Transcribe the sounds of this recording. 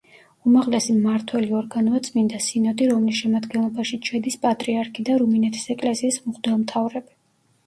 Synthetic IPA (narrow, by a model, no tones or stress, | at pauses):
umaʁlɛsimaɾt̪ʰwɛliɔɾɡanɔat̪sʼmind̪asinɔd̪iɾɔmlisʃɛmad̪ɡɛnlˠɔbaʃit͡ʃʰɛd̪ispʼat̪ʼɾiaɾkʰid̪aɾuminɛt̪ʰi̥sɛkʼlɛsiːsmuχd̪ɛlˠmt̪ʰavɾɛbi